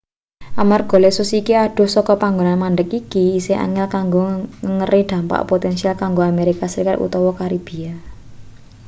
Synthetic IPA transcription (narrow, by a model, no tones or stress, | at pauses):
ʔamarɡ̥o̤lesʊsikiaɖ̥o̤hsɔkɔpaŋɡonanmand̪əkikiːseʔa̰ŋɛlkaŋɡoŋəŋərid̪̥ä̤mpa̰ʔpot̪ɛnsialkaŋɡoameɾikasəɾikat̪ṵt̪ɔwɔkaɾib̥i̤a